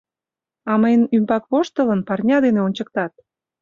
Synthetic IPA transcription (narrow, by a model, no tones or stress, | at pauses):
ɑməjnympɑkβoʃt̪ələnpɑrnʲɑd̪eneonʲt͡ɕək̚t̪ɑt̪̚